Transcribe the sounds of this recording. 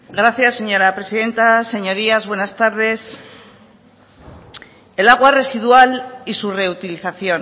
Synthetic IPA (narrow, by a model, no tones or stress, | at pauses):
ɡɾaθjasːe̞ɲo̞ɾapɾesiðe̞nt̪ase̞ɲo̞ɾiazβwe̞nast̪aɾð̞e̞s | e̞laɣ̞ware̞sið̞ualisure̞ut̪iliθaθjo̞n